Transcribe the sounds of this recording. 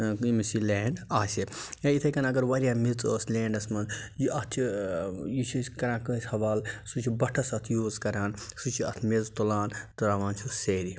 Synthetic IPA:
imisileːɳɖaːseẽit̪ʰɐkɐnɐɡɐɾʋɐɾʲijaːmit͡soːsleːɳɖɐsmɐnzjiʔɐt̪ʰt͡ʃʰijit͡ʃʰiskɐɾãːkəsʲhɐʋaːlsut͡ʃʰibɐʈʰɐsɐt̪ʰjuzkɐɾaːnsut͡ʃʰiɐt̪ʰmezt̪olaːnt̪ɐɾaʋãːnt͡ʃʰuseːɾi

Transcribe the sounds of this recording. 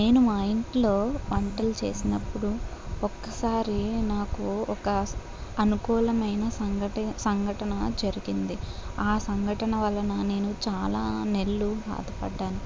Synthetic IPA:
ne̞ːnumɐjɳʈlo̞ːʋɐɳʈɐlt͡ʃe̞̰ːsinɐpːuɽuɔkːɐsaːɾinaːkuɔkɐ | ɐnukuːlɐmɐjnɐsɐɡɐʈisɐŋɡʱɐʈɐnɐd͡ʒɐɾiɡind̪iaːsɐŋɡʱɐʈɐnɐʋɐlːɐnɐne̞ːnut͡ʃaːlaːne̞lːubʱa̰ːd̪ʱɐpɐ̰ɖːaːnu

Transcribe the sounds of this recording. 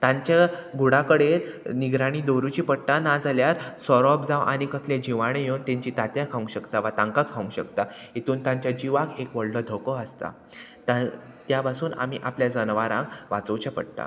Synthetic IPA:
t̪ãɲt͡ɕaɡʱuɽakəɽelniɡɾaɽ̃iːd̪oɾut͡ɕiːpəɽʈanad͡zaljaɾsɔɾɔp̚d͡zãʋʔa̰ñikəsled͡ʑiʋaɽ̃ẽjeunt̪ẽɲt͡ɕiːt̪at̪jakʰaũɕəkt̪aʋat̪ãŋkakʰːaʋũŋɕə̰kt̪ait̪uːnt̪ãɲt͡ɕjad͡ʑiʋakekʋəɭɖəd̪ʱokɔəst̪a̰ | t̪a | t̪japasuːna̰m̤iʔapljad͡zənʋaɾãŋkʋat͡səwt͡ɕapə̰ɽʈa̰

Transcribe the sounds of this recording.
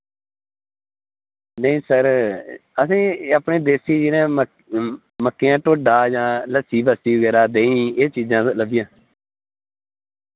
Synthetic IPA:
nəĩːsəɾ | əsĩːaːpɳeːd̪eːsiːd͡ʒɪnẽː | məkːejãːʈoːɖaːd͡ʒãːləsiːbəsiːʋəɡɛːɾaːd̪ẽːĩːeːt͡ʃiːd͡ʒãːləʋɪjãː

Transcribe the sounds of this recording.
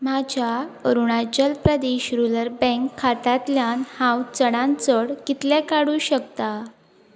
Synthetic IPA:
mad͡ʑʱaəɾuɳad͡ʑəlpɾəd̪eɕɾuləɾbɛ̃ŋkʰːat̪at̪ljanhãwt͡səɽãnt͡səɽkit̪ljakaɽuːɕəkt̪a

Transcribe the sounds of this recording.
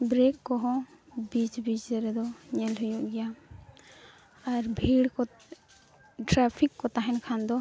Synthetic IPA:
bɾekːɔɦɔ̃bit͡ʃbid͡ʒɛɾɛd̪ɔɲɛlɦɔjɔʔɡɛja | aɾbʱiɽkɔ | ʈɾapʰikːɔt̪aɦɛnkʰand̪ɔ

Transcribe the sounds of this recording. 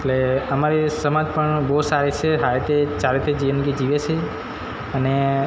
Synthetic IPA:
eʈleəmaɾisəmad͡ʒpəɳboɦusaɾit͡ʃʰeɦaɾet̪et͡ʃaɾet̪ʰed͡ʒiənɡid͡ʒiʋet͡ʃʰe | əne

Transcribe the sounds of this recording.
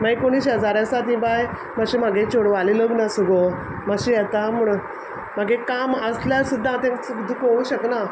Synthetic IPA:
majkoɽ̃iːɕɦəd͡zaɾjãsat̪ĩbaj | məɕimaɡẽt͡ɕoɽʋaliləɡnasuɡo | məɕijɛt̪amuɽ | m̤aɡekaməsljasud̪ʱːãt̪ẽkud̪ʱukouɕəkna

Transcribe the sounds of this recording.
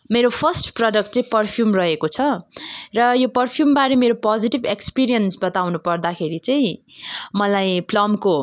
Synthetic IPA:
meɾopʰʌsʈprʌɖʌk̚ʈ̚t͡saĩpʌrpʰjumrʌɦekot͡sʰʌrʌjopʌrpʰjumbaɾemeɾopʌd͡ziʈibekspiɾijʌnsbʌt̪awnupʌrd̪akʰeɾit͡saĩ | mʌlajplʌmko

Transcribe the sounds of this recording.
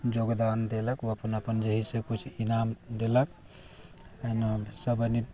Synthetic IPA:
d͡ʒoɡd̪and̪eləkoəpənəpənd͡ʒəɦisẽkut͡ʃʰinamd̪elək | ənsəbəni

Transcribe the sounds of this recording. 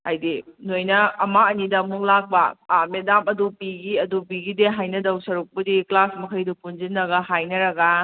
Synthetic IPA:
a̰jdinojnɐɐmaɐnidɐmuŋlak̚bɐ̰medamɐdupiɡiɐdupiɡideɦajnɐdɐwsɐɾuk̚pɐdiklasmɐkʰɐjdupunzinːɐɡɐɦajnɐɾɐɡɐ

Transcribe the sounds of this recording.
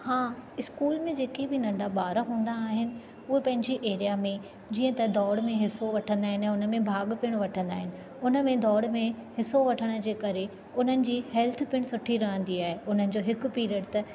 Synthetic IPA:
hãːɪskuːlmẽd͡ʑeːkebɪnɐ̃ɳɖabaːɾəɦũːnd̪aːɦɪnɪ̆ | ʊɦepɐ̃ɦɪ̃ɲd͡ʑiʔeːɾijamẽ | d͡ʑĩːə̃t̪ɐd̪ɔːɽmẽɦɪsoʋɐʈʰə̃nd̪aːɦɪnɪɛ̃ːʊnə̆mẽbʱaːɠpɪɽ̃ʋɐʈʰə̃nd̪aːɦɪnɪ̆ | ʊnəmẽd̪ɔːɽmẽhɪsoʋɐʈʰəɽ̃ə̆d͡ʑeːkɐɾe | ʊn̤ənɪ̆d͡ʑiːhɛlt̪ʰpɪɽ̃sʊʈʰiɾɐɦə̃nd̪iaːɦeʊn̤ənɪ̆d͡ʑoːɦɪkʊ̆piːɾiəɽt̪ɐ

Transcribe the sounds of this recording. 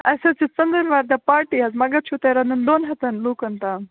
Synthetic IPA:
ɐjsɐt͡sit͡sɐnd̪əɾʋaːɾd̪apaːɾʈiɐzmɐɡɐt͡ʃʰut̪eɾɐnɨnd̪oːnɦɐt̪ɐnlukɐnt̪aːm

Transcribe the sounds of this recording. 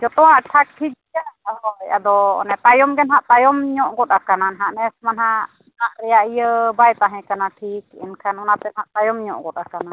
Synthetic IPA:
d͡ʒɔt̪ɔwaʔʈʰak̚ʈʰid͡ʒijaʔɦɔja̰d̪ɔɔ̰nɛt̪ajɔmɡɛnɦaʔt̪ajɔmɲɔʔɡɔt̪akananɦaʔnɛsmanɦaʔ | naʔɾɛjaʔijəbajt̪aɦɛ̃kanaʈʰikḭnkʰanɔnat̪ɛnhaʔt̪ajɔmɲɔ̰ʔɡɔt̪akana

